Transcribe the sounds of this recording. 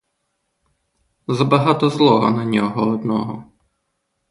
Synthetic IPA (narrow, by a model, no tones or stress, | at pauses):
zɐbɐɦɑt̪ɔzlˠɔɦɔ̰nɐnʲɔɦɔɔd̪nɔɦɔ̰